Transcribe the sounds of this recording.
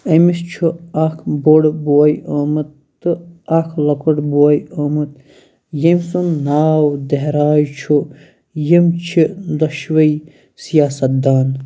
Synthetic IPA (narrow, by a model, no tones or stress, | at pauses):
emist͡ʃʰuakʰboɽboɐjoːmɐt̪ː | ɨakʰlɐkɐʈboɐjoːmɨt̪̚ | jemsunnaːwd̪eɦɾaːjt͡ʃʰu | jimt͡ʃʰid̪ɐʃʋɐi | sijaːsɐt̪̚d̪aːn